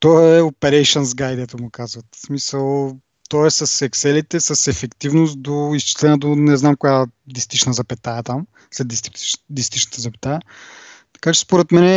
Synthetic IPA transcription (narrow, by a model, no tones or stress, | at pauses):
t̪ɔɛopɛɾɛjʃənzɡajd̪ɛt̪ʊmʊkazvɐt̪smisəlˠ | t̪ɔɛsɐsɛksɛlit̪ɛsɐsɛfɛkt̪ivnost̪d̪oist͡ʃi̥slɛnəd̪onɛznamkʊjad̪ist̪it͡ʃnəzɐpɛt̪aɛt̪am | slɛd̪ist̪id̪ist̪iʃnə̥t̪ɛzɐpɛ̥t̪aət̪ɐ̥kat͡ʃɛ̥spoɾɛt̪mɛnɛ